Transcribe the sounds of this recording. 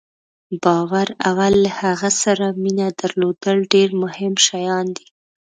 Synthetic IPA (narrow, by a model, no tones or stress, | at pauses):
bɑwaɾawalːahaɣasaɾaminad̪aɾlod̪əlɖeɾmʊhɪmʃajɑnd̪i̥